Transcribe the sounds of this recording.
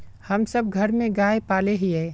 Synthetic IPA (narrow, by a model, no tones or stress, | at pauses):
hɐmsɐb̚ɡʱɐɾmẽɡaːepaːleɦiɦɛː